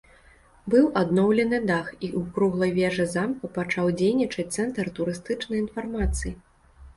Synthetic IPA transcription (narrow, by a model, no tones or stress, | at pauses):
bɨwʔad̪nɔwlʲɛnɨd̪axiʔukɾuɣlˠɐjvʲɛʐɨzamkupat͡ʂawd͡zʲejnʲit͡ʂɐt̪sɛnt̪ɐrt̪uɾɨst̪ɨt͡ʂnɐjin̪farmat̪sɨji